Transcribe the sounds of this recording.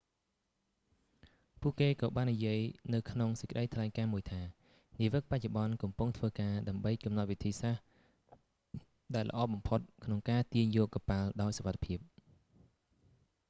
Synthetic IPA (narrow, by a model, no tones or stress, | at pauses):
puəʔkeːkɑːɓaːnːijiəjnɨwkʰnoŋsəc̚kə̆ɗəjt̪ʰlaɛŋkaːmuəjt̪ʰaː | niəʋɨk̚pac̚t͡ɕoɓɑnkɑmpuŋt̪ʰʋəːkaːɗaəmɓəjkɑmnat̪̚ʋit̪ʰiːsah | ɗaɛlʔə̆ʔɑːɓɑmpʰot̪̚kʰnoŋkaːt̪iəɲjɔːkːapalɗaɔjsoʋat̪ʰːḁpʰiəp̚